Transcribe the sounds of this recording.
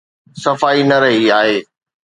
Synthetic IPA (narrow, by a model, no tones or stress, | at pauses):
sɐfaːinɐɾɐɦiaːɦeː